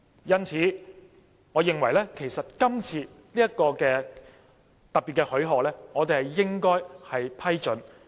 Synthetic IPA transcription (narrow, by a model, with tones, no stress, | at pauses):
jɐ˥nt͡sʰiː˨˥˦ | ŋɔː˨˧jɪ˨ŋwɐ˨˩jlɛː˥kʰe˨˩jsɐ˨t̚kɐ˥mt͡sʰiː˧ | liː˥jɐ˥kɔː˧kɛː˧ | t̪ɐ˨k̚pi˨t̚kɛ˧hɵ˨˥ɥɦɔː˨k̚lɛː˥ŋɔː˨˧t̪e˨hɐ˨jjɪ˥ŋkɔː˥jhɐ˨jpʰɐ˥jt͡ʃɵ˨˥n